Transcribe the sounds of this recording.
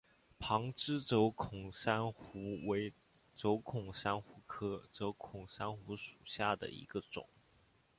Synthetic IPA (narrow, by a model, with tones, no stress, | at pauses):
pʰɑ˧˥ŋʈ͡ʂɻ̩˥t͡so˧˥ʊkʰʊ˨˩ŋʂa˥nxxu˧˥we˧˥ɪ | ʈ͡ʂo˧˥ʊkʰʊ˨˩ŋʂa˥nxu˧˥kʰɤ˥ʈ͡ʂo˧˥ʊkʰʊ˨˩ŋʂa˥nxu˧˥ʂu̥˨˩ɕja˥˩d̪ə̰˩ḭ˧˥ɡə˧ʈ͡ʂʊ̰˨˩˦